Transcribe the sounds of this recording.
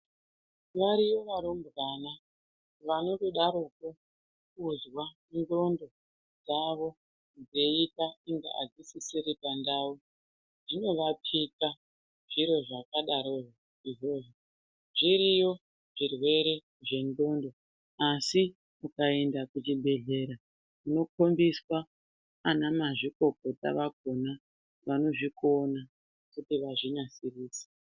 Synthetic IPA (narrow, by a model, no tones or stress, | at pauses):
ʋaɾiʋo̞ʋaɾombrana | ʋano̞toɗaɾuko | kuzwa | ndo̞ndo̞ | d͡zaʋo̞ | nd͡zeitaiŋɡa̰a̰d͡zisisiɾipandau | ʐino̞ʋapʰika | ʐ̥iɾo̞ʐakaɗaɾo̞ʐo | iʐo̞ːʐo | ʐiɾijo̞ | ʐirwe̞ɾe̞ | ʐe̞ndo̞ndo̞ | asi | ukae̞ndakut͡ʃibʱe̞ɮe̞ɾa | uno̞ko̞mbiswaː | namaʐiko̞ko̞ta̰ʋak̚o̞na | ʋano̞ʐiko̞na | kutiʋaʐinasiriːsḁ